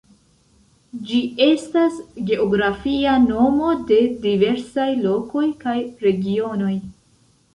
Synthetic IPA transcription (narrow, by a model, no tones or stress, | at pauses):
d͡ʒie̞stasɡe̞oɡɾafiano̞mo̞de̞dive̞ɾsajlo̞ko̞jkajɾe̞ɡio̞no̞j